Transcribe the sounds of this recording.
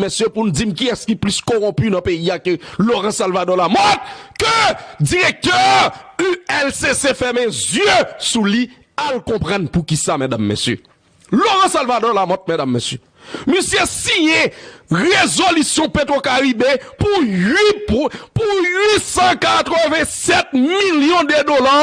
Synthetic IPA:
esjøpun̩d͡zimkiɛskiplyskoʁɔ̃pynɐ̃peiakəloʁɑ̃salvad̪ɔlamɔt̪̚kød͡ziʁek̚t̪œʁyɛlsesefɛmɛ̃zjøsuli | alkɔ̃pʁɑ̃npukisamɛ̃damːḛsjø̰ | loʁɑ̃salvadɔlamɔt̪̚mɛ̃damːesjø | mysjɛsijɛ̃ʁezolysjɔ̃pet̪̬ʁokaʁibepuɥippuɥisɑ̃kat̪ʁəvɛ̃sɛt̪̚miljɔ̃d̪ed̪ola

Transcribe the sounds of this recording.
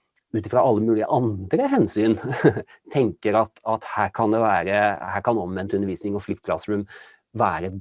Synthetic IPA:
ʉːt̪ɪfɾɑʔɑlːəmʉːlɪə̰ʔɑnd̪ɾəɦɛnsyːn | t̪ʰɛŋkəɾɑt̪ɑt̪hæːɾkʰɑnd̪ɛʋæːɾəhæːɾkʰɑnɔmʋɛnt̪ʉnəɾʋiːsnɪŋɔflɪpkʰlɑ̰sɾʉm | ʋæːɾəɛt̪

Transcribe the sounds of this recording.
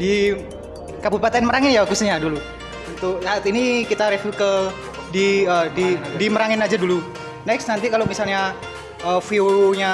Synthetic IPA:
di | kabupat̪anməɾaŋɪnjakust̪ɲadulu | unt̪uksaːt̪inikit̪aɾefukəl | diədidiməɾaŋɪnad͡ʒadulu | nɛksnant̪ikalomisalɲa | ʔəfiuɾuɲa

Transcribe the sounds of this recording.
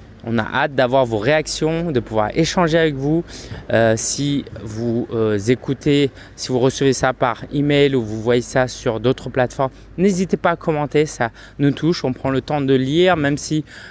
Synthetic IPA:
ɔ̰̃na̰ʔat̪̚d̪avwaʁvoʁeaksjɔ̃d̪əpuvwa̰ʁeʃɑ̃ʒeavɛkvuøsivuzekut̪e | sivuʁəsəvesapaʁimɛjluvuvwajesasyʁd̪ot̪χəplat̪fɔʁm | nezit̪epaːkʰɔmɑ̃t̪esa | nut̪ʰuʃɔ̃pχɑ̃lət̪ɑ̃d̪əliʁmɛmsi

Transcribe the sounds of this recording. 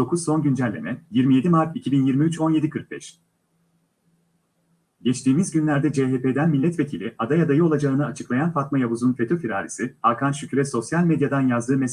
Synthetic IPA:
o̞kʰuzso̞nɟynd͡ʒælʲlːʲemɛjiɾmije̞d̪imaɾt̪icʰibinjiɾmiyt͡ʃo̞nje̞d̪ikʰɯɾk̚bɛ̰ʃ | ɟɛt͡ʃt̪ʰiːmizɟynlʲæɾd̪ɛd͡ʒeɦepe̞ːd̪ænmilʲːɛt̪ve̞cʰilʲiʔad̪ajad̪ajɯo̞lˠad͡ʒaɯnɯat͡ʃʰɯ̥klˠajanfat̪majaβuzunfe̞t̪ʰo̞fiɾa̰ːɾʲḭsiaɾkʰanʃycʰʲyɾɛso̞sjalʲmed̪jad̪anjazd̪ɯːmes

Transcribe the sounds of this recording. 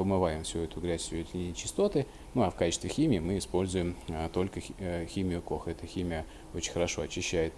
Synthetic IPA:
pəmɨvajɪmfsʲuɛt̪ʊɡɾʲæsʲʊɛt̪ʊnʲɪt͡ɕɪ̥st̪o̞t̪ɨ | nuafkat͡ɕɪst̪vʲɪxʲimʲɪɪmɨɪspo̞lʲzʊjɪmt̪o̞lʲkəxʲimʲɪjʊko̞xɛt̪əxʲimʲɪjə | ot͡ɕɪnʲxəɾɐʂo̞ɐt͡ɕːɪɕːæjɪt̪

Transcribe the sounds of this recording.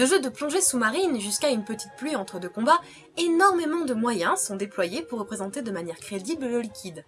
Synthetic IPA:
ləʒød̪əplɔ̃ʒesumaʁinʒyskaynpət̪i̥t̪̚plyɑ̃t̪χəd̪økɔ̃ba | enɔʁmemɑ̃d̪əmwajɛ̃sɔ̃d̪eplwajepuʁːəpχezɑ̃t̪ed̪əmanjɛʁkχed̪iblləlikʲid̪

